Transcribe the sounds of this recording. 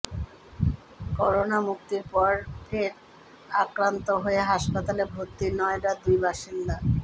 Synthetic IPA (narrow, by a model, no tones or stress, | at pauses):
kɔɾonamuk̚t̪iɾpɔɾfʰeɾ | akɾant̪oɦoeɦaʃpat̪alebʱot̪ːiɾnɔeɖad̪ujbaʃind̪a